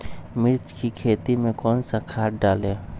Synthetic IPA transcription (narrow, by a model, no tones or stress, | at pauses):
mɪɾt͡ʃkikʰeːt̪imẽkɔːnsakʰaːʈɖaːle